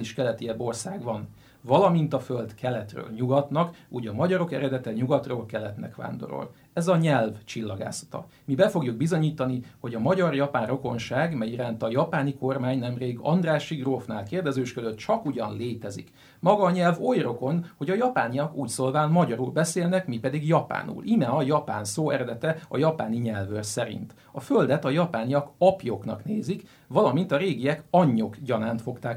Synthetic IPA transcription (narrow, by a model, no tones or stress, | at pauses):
liʃkɛlɛt̪iɛbo̞rsaːɡʋɒn | vɒlɒmint̪ɒføld̪kʰɛlɛt̪rø̰ːlɲuɡɒt̪nɒkuːɟɒmɒɟɒɾo̞kɛɾɛd̪ɛt̪ɛɲuɡɒt̪roːlkɛlːɛt̪nɛ̰kʋa̰ːnd̪o̞̰ɾo̰l | ɛzɒɲɛlvt͡ʃilːɒɡa̰ːsɒ̥t̪ɒ̰ | mibɛfo̞ɡjuɡ̚bizo̞ɲiːt̪ɒniho̞ɟɒmɒɟɒrjɒpaːnro̞ko̞nʃaːɡmɛjiɾaːnt̪ɒjɒpaːniko̞rmaːɲnɛmreːɡɒ̰nd̪raːʃiɡrofnaːlkeːrd̪ɛzøːʃkøzøt̪̚t͡ʃɒkuɟɒnleːt̪ɛzḭk | mɒɡɒɲɛlvo̞jro̞ko̞nho̞ɟɒjɒpaːnijɒkuːcsoːlvaːnmɒɟɒɾuːlbɛseːlnɛkmipɛd̪iɡjɒpa̰ːnṵːlʔimɛɒjɒpa̰ːnsoːɛɾɛd̪ɛt̪ɛɒjɒpaːniɲɛlvørsɛɾḭnt̪ | ɒføld̪ɛt̪ɒjɒpaːnijɒkɒpjoknɒ̰kneːzik | vɒlɒmint̪ɒɾeːɡijɛkɒɲːo̞kɟɒnaːnt̪fo̞kt̪aːk